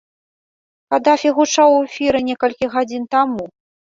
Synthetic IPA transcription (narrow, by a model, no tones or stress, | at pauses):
kad̪afʲiɣut͡ʂawefʲiɾɨnʲɛkɐlʲkʲiɣad͡zʲint̪amu